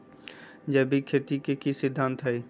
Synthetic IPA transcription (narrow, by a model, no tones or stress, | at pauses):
d͡ʒɐbʱikʰeːt̪ikekisɪd̪ʱːãːnt̪ɦəiː